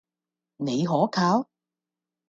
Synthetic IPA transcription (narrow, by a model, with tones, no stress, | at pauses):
ne˨˧jɦɔː˨˥kʰaː˨˧˥w